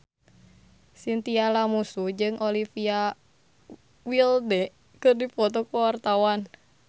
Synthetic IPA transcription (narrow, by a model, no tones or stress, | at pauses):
sint̪ialamusud͡ʒɨŋʔolifia | wildɛ | kɨrdifɔt̪ɔkuwart̪awan